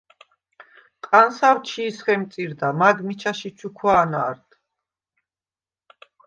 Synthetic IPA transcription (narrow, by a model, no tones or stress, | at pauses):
qʼansawt͡ʃʰiːsχɛmt̪sʼiɾd̪amaɡmit͡ʃʰaʃit͡ʃʰukʰwaːnaɾt̪ʰ